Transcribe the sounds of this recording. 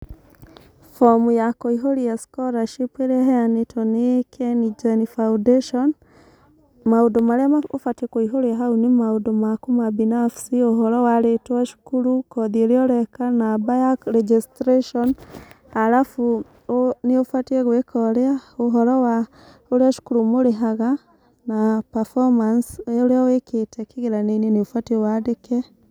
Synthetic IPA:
fɔmujakoiɦoɾiaskɔɾaʃipeɾeaɦɛanetʰɔnekʰɛnid͡ʒanifaundeʃɔn | maodomaɾeaaofatekoiɦoɾeaɦaunemaodomakomabinafsioɦɔɾɔwaɾetwaʃu̥kuɾukɔðioɾeɔɾɛkanabajakɾɛd͡ʒistɾeʃɔn | aɾafu | neofwateeɣwekʰɔɾeaoɦɔɾɔwa | oɾeaʃu̥kuɾumoɾeɦaɣa | napafɔmansooɾeaweketɛkeɣeɾaneneneofwatewadekɛ

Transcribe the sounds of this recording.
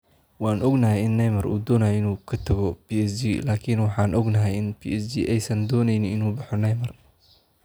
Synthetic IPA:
wɑːnʔɔɡnɐɦɛjɪnːɛjmɐrʔṵːd̪ɔːnɐjɛɪnuːkʰɐt̪ʰɐɣɔpiːɛsd͡ʒiːlaːkʰɪnwɑħɑːnʔɔɡnɐɦɛjɪnpʰḭːʔɛsd͡ʒḭʔɛjsɐnd̪ɔːnɛjnɪnɪnuːbɑħɔnɛjmɐr

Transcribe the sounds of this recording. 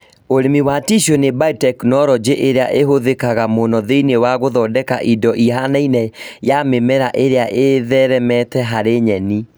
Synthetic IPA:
oɾemiwatiʃonebatɛknɔɾɔd͡ʑeʔeɾeaʔeɦoðekaɣamonɔðeinewaɣoðɔdɛka̰ʔidɔʔiɦanainɛjamemɛɾaʔeɾeaʔeðɛɾɛmɛtɛɦaɾeɲɛni

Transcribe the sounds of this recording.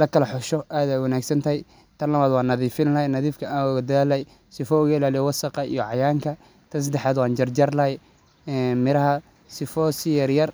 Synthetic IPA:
lɐkʰɐlɐħɔʃɔʔaːðaːwɑnaːɡsɐnt̪ʰɐɦɛj | t̪ʰɐnlɐβaːd̪wɑːnːɐðiːfɪnlɐɦɛjnɐðiːfkʰɐaːʊɣɐd̪ɐðaːlɛj | sɪfɔʊɣɪlaːlɪjɔwɑsɐqɑḭjɔʕɑjaːŋkʰɐ | t̪ʰɐns̬ɐd̪ɛħaːd̪wɑːnd͡ʒɐrd͡ʒɐrlɐɦɛj | ɛnmɪɾɐɦɐ | sɪfɔsɪjɐrjɐr

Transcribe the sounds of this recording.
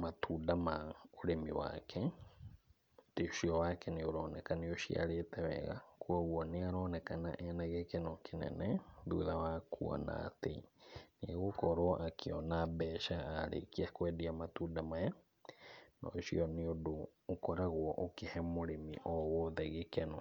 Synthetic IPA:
mat̪ʰudamaoɾemiwa̰kʰɛ | t̪eʃiɔwakɛnioɾonɛkanioʃia̰ɾet̪ɛβɛ̰ɣa̰kʰuaɣwɔniaɾonɛkana̰ʔɛnaɣɛkɛnokenɛ̰nɛðuðawakʰua̰na̰t̪eniaɣokɔɾoʔakʰiɔnabɛːʃaːɾḛkiakwɛdiamat̪udamaja | nɔ̰ʃḭɔniodoːkɔɾaɣwɔʔokehɛmoɾemḭʔɔwɔðɛɣekɛno

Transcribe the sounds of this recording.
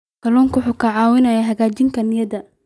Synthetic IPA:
kʰɐlɔːŋkʊħʊkʰɐʕɑːwɪnɐjɐɦɐɣaːt͡ʃɪŋkʰɐnɪjɐdɐ

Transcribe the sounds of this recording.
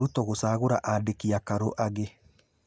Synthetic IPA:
ɾutɔɣosaːɣoɾaʔadekiakaɾoʔaɣe

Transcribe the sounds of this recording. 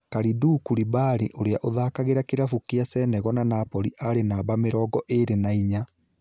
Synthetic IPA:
kaɾidukuɾibaɾiʔoɾeaʔoðakaɣeɾakeɾafukeasɛnɛɣɔnanapɔɾiʔaɾenabameɾɔːɡɔʔeɾenaiɲa

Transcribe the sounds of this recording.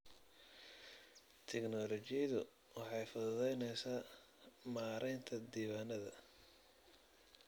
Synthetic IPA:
t̪ʰɛknɔːlɔt͡ʃɪjɐðʊ̰ | wɑħɑjfɐððɛjnɛjsaː | maːɾɛjnt̪ʰɐd̪iːwaːnɐðɐ

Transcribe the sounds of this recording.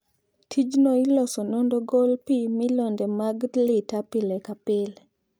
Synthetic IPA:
tʰid͡ʒnoilɔsɔnɔndɔɡɔlpimɪlɔndɛmaɡdlɪtapɪlɛkapɪl

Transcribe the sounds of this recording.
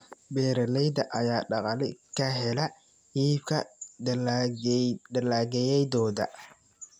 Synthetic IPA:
bɛːɾɐlɛjd̪ɐʔɐjaːɖɑqɑlɪkʰɐɦɛlɐ | hiːbkʰɐ̰ | d̪ɐlaːɡɛjɛjd̪ɔːðɐ̰

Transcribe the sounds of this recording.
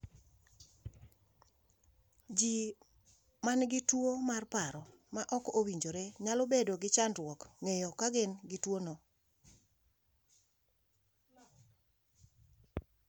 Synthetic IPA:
d͡ʒi | manɡɪtwomarpaɾɔ | maʔɔkowiɲd͡ʒoɾeɲalɔbedoɡɪt͡ʃandwɔkŋejɔkaɡɪnɡɪtwonɔ

